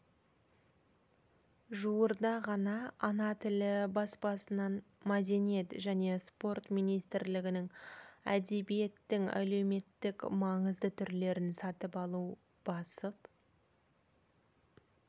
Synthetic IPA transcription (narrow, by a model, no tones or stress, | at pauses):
ʒuwəɾd̪ɑʁɑnɑːnɑt̪ʰɪlɪbɑsbɑsənɑn | mɑd̪e̞nije̞t̪ʒæne̞spo̞rt̪mijnijst̪ɪɾlɪɡʲɪnɪŋæ̰d̪e̞bije̞t̪ːɪŋæ̰le̞wme̞t̪ːɪkmɑɴəzd̪ət̪ʰʏɾle̞ɾɪnsɑt̪əpɑlˠu | b̥ɑsəp